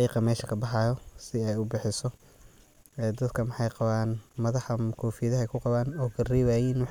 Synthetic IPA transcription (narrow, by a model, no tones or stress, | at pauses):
qiːqɑmɛːʃɐkʰɐbɑħɑːjɔsɪɛjʊbɪħɪsɔ | ɛːd̪ɐd̪kʰɐmɑħɑjqɑβaːnmɐðɑħɐkʰɔːfiːðɐɦɛjkʰʊqɑβaːnɔːkʰɐriːβaːjiːnw